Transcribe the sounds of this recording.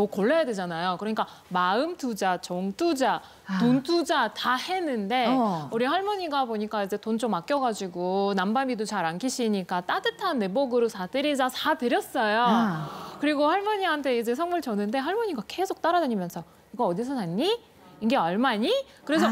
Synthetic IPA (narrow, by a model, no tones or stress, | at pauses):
okoɭːejadwed͡ʑanajokɯɾʌɲik͈a | maɯmtʰud͡ʑat͡ɕʌŋt͈ʰud͡ʑa | tontʰud͡ʑatahe̞nːɯnde̞uɾihaɭmʌɲiɡapoɲik͈aid͡ʑe̞tont͡ɕ͈omːak͈jʌɡad͡ʑiɡonambamidot͡ɕaɾankʰiɕʰiɲik͈at͈adɯtʰanːe̞bʌɡɯɾosʰatɯɾid͡ʑasʰatɯɾjʌs͈ʌjo | kɯɾiɡohaɭmʌɲiɦantʰe̞id͡ʑe̞sʰʌŋmuɭt͡ɕʌnɯnde̞ɦaɭmuɲiɡake̞sʰok̚t͈aɾadeɲimjʌnsʰʌ | iɡʌʌdis̬ʰʌtanːi | iŋɡeʌɭmaɲi | kɯɾe̞sʰʌ